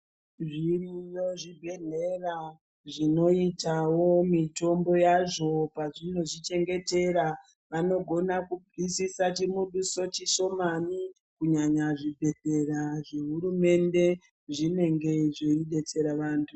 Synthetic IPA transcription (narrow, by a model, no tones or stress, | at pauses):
ʐirijo̞ʐibʱe̞ɮera | ʐino̞itawo̞mito̞mbo̞jaʐo̞paʐin̤oʐit͡ʃe̞ŋɡe̞te̞ɾa | ʋano̞ɡʱo̞nakubisisat͡ʃimuɗuso̞t͡ʃiʃo̞mani | kuɲaɲaʐibʱe̞ɮe̞raʐe̞ɦuɾume̞nde̞ | ʐine̞ŋɡe̞ʐoiɗe̞t͡se̞ɾaʋaːntʰu